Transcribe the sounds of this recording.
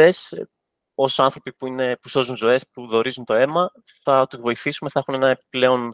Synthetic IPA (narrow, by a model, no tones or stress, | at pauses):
e̞s | o̞sɐnθɾo̞pipuine̞puso̞zunzo̞e̞spuðo̞ɾizunt̪oe̞mɐ | θɐot̪ivo̞iθisume̞θɐexunenɐepi̥ple̞o̞n